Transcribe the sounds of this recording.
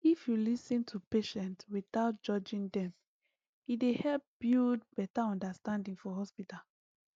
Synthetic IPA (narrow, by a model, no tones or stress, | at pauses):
ifjulisĩntʰupeʃɛ̃ntwiθaʊt̚d͡ʒɔd͡ʒĩŋdɛ̃m | idehɛlp̚b̥id̚bɛtaɔ̃ndastãndĩŋfɔɦɔspital